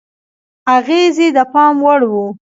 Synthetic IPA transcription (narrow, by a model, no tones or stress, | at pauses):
aɣezid̪əpɑmwəɽwu